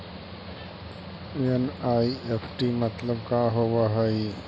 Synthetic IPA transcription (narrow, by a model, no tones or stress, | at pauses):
enajepʰʈimɐt̪ləb̚kaɦowaɦəj